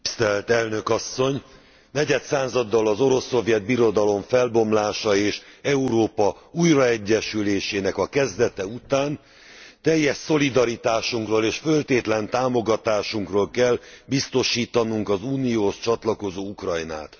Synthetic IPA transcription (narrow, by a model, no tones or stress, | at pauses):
st̪ɛlt̪ɛlnø̞kɒsːo̞ɲ | nɛɟɛt̪saːzɒd̪ːɒlɒzo̞ɾo̞sːo̞vjɛd̪̚biɾo̞d̪ɒlo̞ɱfɛlbo̞mlaːʃɒeːʃɛuɾoːpɒuːjrɒɛɟːɛʃyleːʃeːnɛkɒkɛzd̪ɛt̪ɛut̪aːn | t̪ɛjːɛʃso̞lid̪ɒɾit̪aːʃuŋkroːleːʃfø̞lt̪eːt̪lɛnt̪aːmo̞ɡɒt̪aːʃuŋkrolkɛlbist̪o̞ʃiːt̪ɒnuŋkɒzuːnijoːʃt͡ʃɒt̪lɒko̞zoːukrɒjna̰ːt̪